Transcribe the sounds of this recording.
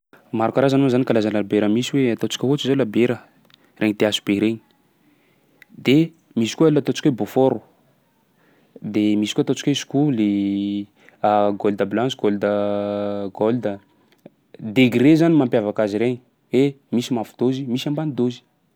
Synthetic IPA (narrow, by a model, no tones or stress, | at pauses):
maɾukaɾazanozanikalazanlabeɾəmisiweat̪ot͡si̥kʲəɦut͡ʃizalabeɾə | reɲid̪easu̥beɾeɲi̥ | d̪e | misi̥kualːat̪ot͡ʃi̥kʲwebofoɾu | d̪emisikuat̪ot͡si̥kwesu̥kule | aɡold̪əblãnt͡suɡold̪ə | ɡold̪ə | d̪eɡiɾezanimampjavakaziɾeɲi̥ | we | misimafu̥d̪̥ozimisambanid̪ozi̥